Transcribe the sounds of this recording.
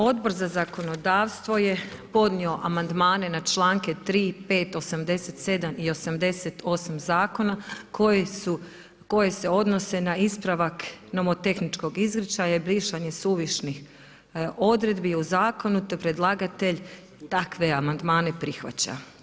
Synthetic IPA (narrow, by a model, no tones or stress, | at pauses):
o̞d̪bo̞ɾzazako̞no̞d̪aːʋst̪ʋo̞je̞po̞d̪nio̞ʔamand̪maːne̞nat͡ʃlˠaːŋket̪ɾiːpe̞ːt̪o̞samd̪e̞set̪se̞d̪amio̞samd̪e̞set̪ʰosamzaːko̞nakou | ko̞je̞se̞o̞d̪no̞se̞naispɾaʋaknomot̪e̞xnit͡ʃko̞ɡizɡɾit͡ʃajaibliːʃaɲe̞suːʋiʃnix | o̞d̪ɾe̞d̪biuzaːko̞nut̪opɾe̞d̪lˠaɡat̪eʎ | t̪akʋe̞amand̪maːne̞pɾixʋa̰t͡ɕa̰